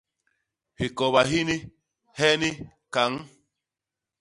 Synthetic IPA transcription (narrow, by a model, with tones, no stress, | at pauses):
hi˨kɔ˨βa˨ɦi˦ni˦ | hɛ˦ni˦ | ka˨˦ŋ